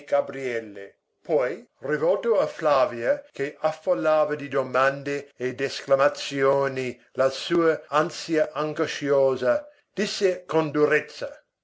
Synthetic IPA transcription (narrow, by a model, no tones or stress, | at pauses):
ɡ̥abɾiɛlːḛ | pʰɔjrivɔlt̪oaflaːvjakeʔafːolːaːvɐd̪id̪omand̪eed̪esklamat̪sjoːni | lasuːɐansjaʔaŋɡoʃjoːza | d̪̥isːekond̪uɾɛt̪sːɐ